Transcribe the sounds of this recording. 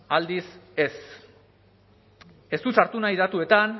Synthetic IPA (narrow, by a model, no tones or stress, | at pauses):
ald̪ise̞s | e̞st̪usaɾt̪unaiðat̪ue̞t̪an